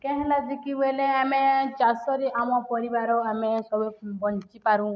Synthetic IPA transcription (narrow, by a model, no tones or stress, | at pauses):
kɛɦɛ̃lad͡ʒikibeleamed͡ʒasɔɾiʔamɔpɔɽibaɾɔamesɔbubɔnt͡ʃipaɾũ